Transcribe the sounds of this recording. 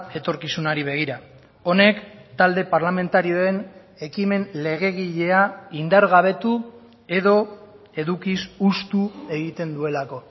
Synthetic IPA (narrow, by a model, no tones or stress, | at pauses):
e̞t̪o̞ɾkisunaɾiβ̞e̞ɣ̞iɾa | o̞ne̞kt̪ald̪e̞paɾlame̞nt̪aɾio̞e̞n | e̞kime̞nle̞ɣ̞e̞ɣ̞iʎe̞aind̪aɾɣaβ̞e̞t̪u | e̞ðo̞ | e̞ðukisust̪ue̞ɣ̞it̪e̞nd̪ue̞lako̞